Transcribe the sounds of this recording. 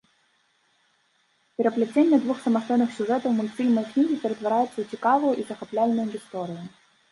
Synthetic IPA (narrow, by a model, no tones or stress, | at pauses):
pʲeɾɐplʲɪt͡sʲɛnʲːɐd̪ʋuxsɐmɐst̪ɔjnːɪxsʲʊʐɛt̪ɔwmʊnfʲilʲmɔjknʲiɦʲipʲeɾet̪ʋɐɾajɪt͡sʲːɐʊt͡sʲikɑʋɔjʊʔizɐxɐplʲalʲnɔjʊʋʲist̪ɔɾʲɪjʊ